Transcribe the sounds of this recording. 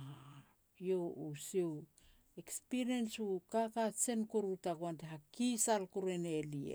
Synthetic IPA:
a | jo̞usiw | ekspiɾiensukakat͡ʃe̞nkuɾutaɡuanteɦakisalkuɾe̞neliḛ

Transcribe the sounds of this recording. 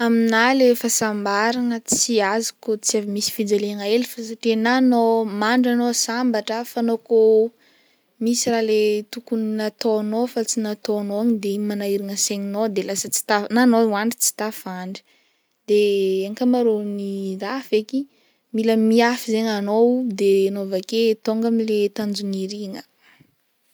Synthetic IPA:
aminalefasambaɾanət͡siazikot͡siavimisi̥fid͡zeleŋaelifasaʈ͡ʂenanomaɳɖ͡ʐanosambaʈ͡ʂəfanoko | misiralet̪ukuninat̪oanofat͡sinat̪oanoaɲid̪emanaiɾiŋəseɲinod̪elasət͡si̥t̪ananowaɳɖ͡ʐi̥t͡si̥t̪afaɳɖ͡ʐi̥ | d̪̥eaŋkamaɾoniɾafeki | miləmiafizeɲanowd̪enovaket̪oŋɡamilet̪and͡zuniɾiŋə

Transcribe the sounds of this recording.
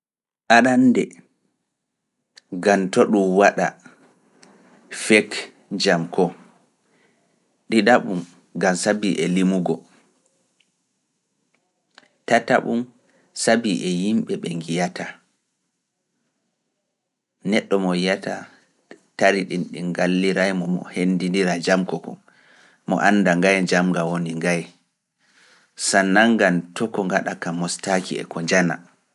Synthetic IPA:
ʔaɗandɛ | ɡantoɗumwaɗa̰ | fɛk | d͡ʒamkʰɔ | ɗiɗaɓum | ɡamsabiʔɛlimuɡɔ | tata̰ɓum | sabiʔɛjimɓɛɓɛŋɡijatʰa | nɛɗːɔmɔjata̰ | taɾiɗinɗinɡalːiɾajmɔmɔ̰hendindiɾad͡ʒamkɔkɔ̰ | mɔ̰ʔanːdaŋɡajd͡ʒamɡawoniŋɡaj | sanːaŋɡantɔkɔŋɡaɗakamːɔstakḭɛ̰kɔɲd͡ʒana̰

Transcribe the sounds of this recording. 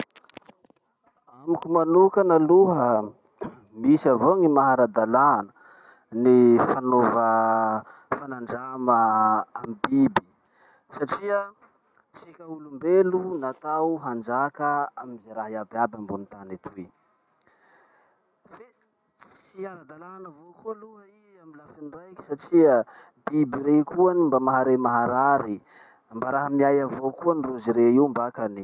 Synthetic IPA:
amikumanukənaluɦə | misavoaŋimaɦaɾad̪alanə | nifanovə | fanaɳɖ͡ʐaməːmibibi | saʈ͡ʂiə | t͡sikʲəulumbelunat̪awɦand͡ʒakəamizaɾaɦiabiabambunit̪anat̪ui | fe | t͡si̥iaɾad̪alaanavokualuɦəi | amilafinrajki̥saʈ͡ʂiə | b̥ibiɾekuanimbamaɦaɾemaɦaɾaɾi | mbaɾaɦamiajavokuaniruziɾeiumbakani

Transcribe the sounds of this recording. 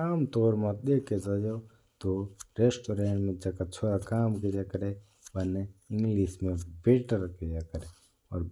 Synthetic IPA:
aːmt̪oːɾmɐt̪̚d̪eked͡ʒəjo | t̪oɾeːsʈoɾeːɳʈmẽd͡ʒɐkat͡ʃʰoːɾakaːmkijakəɾe | bɐneɪ̃ŋɡliːsmẽbeʈəɾkijakəɾe | ɔːɾ

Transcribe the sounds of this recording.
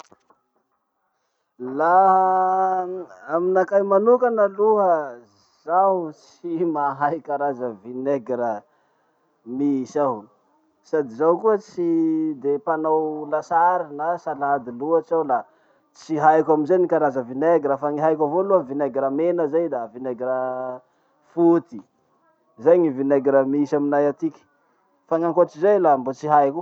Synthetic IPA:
la | minakajmanukanəluɦə | zawt͡s | imaɦajikaɾazəvineɡɾə | misa | sad̪izawkuət͡sid̪epanawlasaɾinasalad̪iluat͡ʃawla | t͡siɦajkʲaminzenikaɾazəvineɡɾəfaŋiɦajkʲavoluavineɡɾəmenəzajd̪avineɡɾə | fut̪i | zejŋivineɡɾəmisaminajat̪ikʲi̥ | faŋaŋkoʈ͡ʂizejlambot͡siɦajku

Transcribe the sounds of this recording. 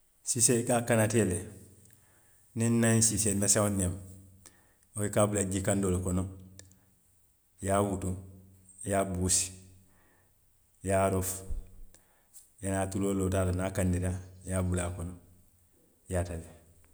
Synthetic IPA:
sisekakanatele | ninnːaĩsisennasaonem | oikaːbulaɡikandolokono | jaːwutu | jaːbusi̥ | jaːɾof | janaːtuloːlotaːlanakandiɾajaːbulakono | jaːtale

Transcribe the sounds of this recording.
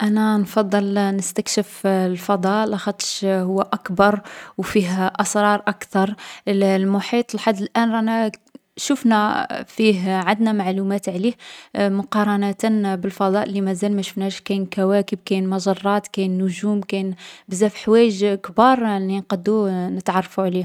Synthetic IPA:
ʔænænfɑd̪ˤːəlnəst̪ækʃəflfɑd̪ˤɑʔlɑxɑt̪ˤʃhʊwːæʔækbɑɾˤwfiɦʔɑsˤɾˤɑɾˤʔakt̪ɑɾˤlmʊħit̪ˤəlħad̪ːəlʔænænæ | ʃufnæfiɦʕad̪næmaʕlumæt̪ʕlihmʊqɑɾˤɑnæt̪ənbəlfɑd̪ˤɑʔlːimæzælmæʃʊfnæʃkænkæwækəb̚kæjnmɑʒɑrˤːɑt̪kæjnːʊʒumkæjnbəzæfħwæjəʒkbɑɾˤlinqɑd̪ːunət̪ʕɑrˤːɑfuʕli

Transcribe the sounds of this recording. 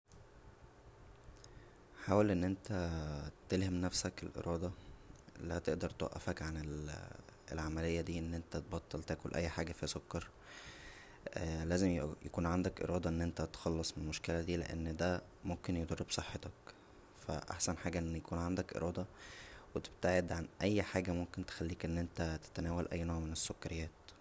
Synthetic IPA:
ħaːwælʔenːʔent̪æt̪elhemnæfsækelʔḛɾʔɑːd̪ˤɑ | læt̪eʔd̪ɑɾˤt̪wæ̰ʔːæ̰fækʕanel | ḛlʕamælejːæd̪iːʔenːʔent̪æt̪bɑt̪ˤːelt̪æːkolʔæ̰jːħaːɡæfisokːɑɾˤ | læːzemjʔækuːnʕand̪ækʔḛɾɑːd̪ˤɑʔenːʔent̪æt̪xɑlːɑsˤmenelmoʃkelæd̪iːlḛʔæ̰nːd̪æ | momkenjod̪ɑɾːebsˤɑħːet̪ɑk | fæ̰ʔa̰ħsænħaːɡæʔenːjækuːnʕand̪ækʔḛɾˤʔɑːd̪ˤɑwet̪bt̪eʕed̪ʕanʔæjːħaːɡæmomkent̪e̥xælːiːkʔenːʔent̪æt̪e̥t̪ænæːwælʔæ̰jːnoʕmenesːokːɑɾejːæːt̪

